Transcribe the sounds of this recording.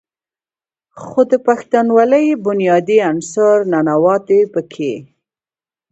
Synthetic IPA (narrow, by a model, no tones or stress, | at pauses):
xod̪əpaxt̪anwaləjbʊnjɑd̪iansɑɾnanawɑt̪epəkʰe